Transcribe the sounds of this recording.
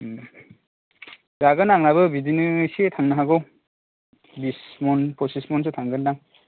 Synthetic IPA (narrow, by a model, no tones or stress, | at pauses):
zaɡɯnaŋnabɯbidinɯsiet̪ʰaŋnɯɦaɡɯw | bismɔnpʰɔsismɔns̬ɯtʰaŋɡɯnːaŋ